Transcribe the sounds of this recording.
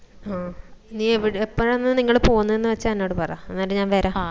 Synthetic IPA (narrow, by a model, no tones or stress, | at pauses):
aːniːeʋiɽepːoːɻenːɨniŋːɐɭpoːɣunːɐðenːɨʋɐt͡ɕːɐɐnːoːɽɨpɐrja̰enːaːɽeɲaːnʋeːɾa